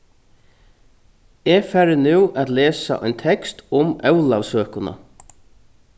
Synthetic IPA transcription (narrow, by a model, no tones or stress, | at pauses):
ɛfæɾɪnʉwʔat̪leːsa̰ʔɔ̰jnt̪ʰɛkst̪ʊmœwlaʋsøːkʊna̰